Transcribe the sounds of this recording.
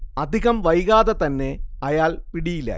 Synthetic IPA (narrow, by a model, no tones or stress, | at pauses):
ɐd̪ʱiɣɐmʋɐjɣaːðɐt̪ɐnːe̞ɐjaːlpiɽijila̰